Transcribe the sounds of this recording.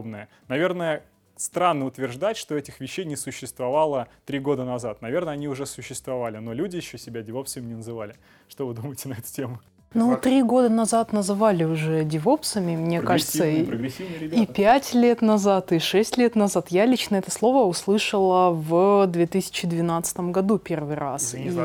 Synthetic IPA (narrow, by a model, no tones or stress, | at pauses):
bnəjə | nɐvʲe̞rnəjə | st̪ɾanːəʊt̪vʲɪrʐd̪atʲʂt̪o̞ɛtʲɪxvʲɪɕːejnʲɪsʊɕːɪst̪vɐvalˠət̪ɾʲiɡo̞d̪ənɐzat̪̚nɐvʲe̞rnəɐnʲiʊʐɛsʊɕːɪst̪vɐvalʲɪno̞lʲudʲɪjɪɕːosʲɪbʲadʲɪvopsəvmɪnʲɪnəzɨvalʲɪ | ʂt̪o̞vɨd̪uməjɪtʲɪnɐɛt̪ʊ̥tʲemʊ | nut̪ɾʲiɡo̞d̪ənɐzat̪nəzɨvalʲɪʊʐɛdʲɪvo̞psəmʲɪmnʲe̞kaʐɨt̪sə | ipʲætʲlʲe̞t̪nɐzat̪ɨʂɛsʲtʲlʲe̞t̪nɐzat̪jalʲit͡ɕnəɛt̪əslˠo̞vəʊslˠɨʂəlˠəvd̪vʲet̪ɨsʲɪ̥t͡ɕɪd̪vʲɪnat̪sɨ̥t̪əmɡɐd̪upʲe̞rvɨjɾasi